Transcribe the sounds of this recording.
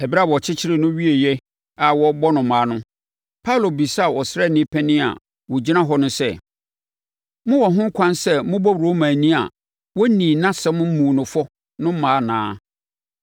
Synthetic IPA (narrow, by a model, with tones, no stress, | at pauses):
ɛ˨bi˦ɾa˦bɔ˨t͡ɕʰɪ˦t͡ɕʰɪ˦ɾɪ˨nʊ̃˦ɥi˦e˨jɛ˦ | a˨wɔ˦bɔ˦nʊ̃˨˦mãː˨˦nʊ̃˦ | pʰa˦˨lo˨bi˨sa˦a˦˨wɔ˨sɾɛ˦˨nɪ̃˦pʰɛ̃˦nɪ̃˦a̰˨ | wɔ˨d͡ʑi˦nã˦ɦɔ˦nʊ̃˦sɛ˦˨ | mʊ̃˦wɔ˨ɦʊ̃˦ŋ̩˦kʰã˦nsɛ˦mʊ̃˦bɔ˦wo˦mãː˨nĩ˦a̰˨ | wɔ˦nĩː˨nã˦sɛ˦mʊ̃˦m̩˦mũ˨nʊ̃˨fɔ˦ | nʊ̃˦m̩˦mãː˨˦nã̰ː˦